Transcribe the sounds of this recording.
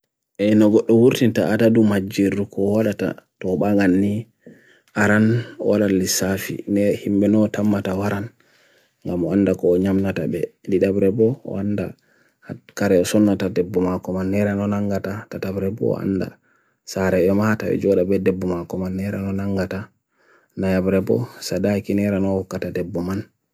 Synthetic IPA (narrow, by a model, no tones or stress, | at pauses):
ʔɛnɔɡɔɗːɔwuɾtintaʔatadumad͡ʒiɾukɔwaɗata̰tɔɓaŋɡanːi | ʔaɾanwʔalalːisafḭnɛhimbɛnɔtamːatawaɾan | ŋɡamɔandakɔːɲamnatabɛ̰liɗabɾɛbɔɔ̰anda̰ | kaɾɛɔsɔnːatadɛbːɔmakɔmanːɛɾanɔnaŋɡatatatabɾɛbɔ̰a̰nda̰ | saɾɛɛmatabɛ̰d͡ʒɔɗabɛdɛbːɔmakɔmanːɛɾanɔnaŋɡata | najabɾɛbɔ̰sadakinɛɾanɔhɔkːatadɛbːɔman